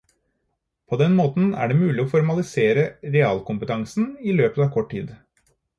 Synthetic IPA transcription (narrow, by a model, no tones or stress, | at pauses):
pʰoːd̪ɛnmoːt̪n̩æ̰ɖɛmʉːlɪɔfɔɾmɑlɪseːɾəɾɛɑːlkʊmpət̪ʰɑŋsn̩iːløːpət̪ɑːʋkʰɔʈʰːḭːd̪